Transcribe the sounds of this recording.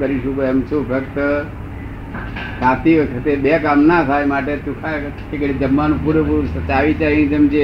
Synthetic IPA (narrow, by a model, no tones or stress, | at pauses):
kəɾiʃũkoemt͡ʃʰupʰəkt̪ə | saːt̪iʋəkʰət̪eɓekamnat̪ʰajmaːʈet̪ukʰa | kekɽid͡ʒəmːanupuɾəpuɾsət͡ʃaːʋit͡ʃajnĩt̪əmd͡ʒe